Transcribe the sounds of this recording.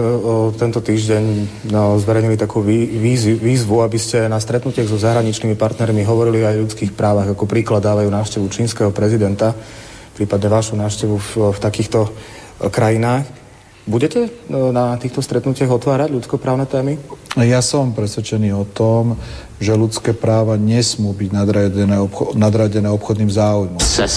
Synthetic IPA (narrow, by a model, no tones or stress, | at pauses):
t̪ɛnt̪ɔt̪iːʒɟɛɲ | zʋɛɾɛɲilit̪akuːʋiːʋiːzʋuabiscɛnast̪ɾɛt̪nucɪaɣzɔzaɦɾaɲit͡ʃniːmipaɾt̪nɛɾmiɦɔʋɔɾiliajʎut͡skiːxpɾaːʋaɣakɔpɾiːklad̪ːaːʋajuːnaːʊʃcɛʋut͡ʃiːnskɛɦɔpɾɛzid̪ɛnt̪a | pɾiːpad̪ɲɛʋaʃunaːʊʃcɛʋuft̪akiːxt̪ɔ | kɾajinaːx | buɟɛcɛnat̪iːxt̪ɔst̪ɾɛt̪nucɪaɣɔt̪ʋaːɾaɟʎut͡skɔpɾaːʊnɛt̪ɛːmijasɔmpɾɛsʋɛt͡ʃɛniːɔt̪ɔm | ʒɛlut͡skɛːpɾaːʋaɲɛsmuːbiɟnad̪ɾaɛnɛnad̪ɾaɟɛnɛːɔpxɔd̪niːmzaːujmɔ